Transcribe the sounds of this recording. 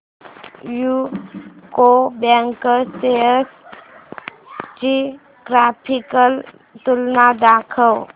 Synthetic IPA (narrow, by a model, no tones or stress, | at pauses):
ju | kobɛŋkəseəs | t͡ʃi | kɾapʰikəl | t̪ulnad̪akʰəw